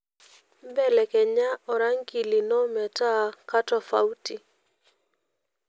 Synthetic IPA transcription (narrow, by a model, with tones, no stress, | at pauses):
m˦bɛ˦˨lɛ˨kɛ˨ɲa˦ɔ˨ɾa˦ŋki˨li˨nɔ˦mɛ˨ta˦˨ka˦tɔ˨fa̰˨˦u˦ti˨